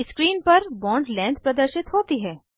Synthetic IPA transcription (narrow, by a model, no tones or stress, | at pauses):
skɾiːnpɐɾbɔ̃ːɳɖlɛ̃ːnd̪pɾɐd̪əɾʃɪt̪ɦoːt̪iɦɛː